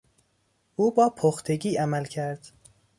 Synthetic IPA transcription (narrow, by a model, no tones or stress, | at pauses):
ʔuːbɒːpʰoxt̪ʰeɟiːæmælcʰæɾd̪̥